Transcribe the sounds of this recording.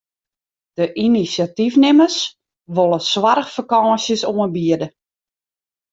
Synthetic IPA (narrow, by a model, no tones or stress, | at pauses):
d̥əʔinisjatifnɪməs | ʋolˠəswarəxfakɑːsjəsoənbiədə